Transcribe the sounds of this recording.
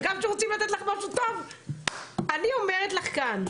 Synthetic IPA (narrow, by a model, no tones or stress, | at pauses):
ɡamʃeʁot͡simlat̪ɛtlaχmaʃut̪ov | anio̞meʁet̪laχkan